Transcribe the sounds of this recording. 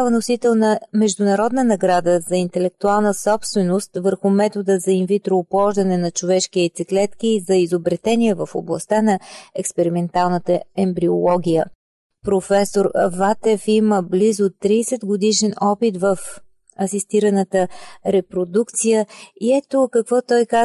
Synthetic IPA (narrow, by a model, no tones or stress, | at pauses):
vənosit̪ɛlˠnɐmɛʒd̪ʊnɐɾɔd̪nənɐɡɾad̪əzɐint̪ɛlɛk̚t̪ualˠnəsɔpst̪vɛnost̪vəɾxʊmɛt̪od̪əzɐinvit̪ɾoːpˠɔʒd̪ɐnɛnɐt͡ʃovɛʃkiɛt̪siklɛt̪kiːzɐizobɾɛt̪ɛniɛvəfoblˠɐ̰st̪anɐɛkspɛɾimɛnt̪alˠnət̪əɛmbɾiolˠɔɡʲijə | pɾofɛsoɾvat̪ɛfiməblizʊt̪ɾiːsɛd̪ɡod̪iʃɛnɔpit̪vəf | ɐsist̪iɾənət̪əɾɛpɾod̪ukt̪sijəiɛt̪okɐkvɔt̪ɔjka